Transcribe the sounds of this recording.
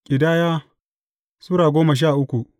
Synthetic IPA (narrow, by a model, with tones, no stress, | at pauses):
kʲʼɪ˨daː˦jaː˦ | suː˦ɾaː˨ɡʷoː˦mɐ˨ʃ̬aː˦˨ʔʊ˦kʷu˨ʔ